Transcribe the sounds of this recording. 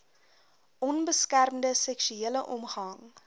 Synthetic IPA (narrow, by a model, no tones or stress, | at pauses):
ʔɔnbəskærmdəsɛkʃyiələʔɔmχɐŋ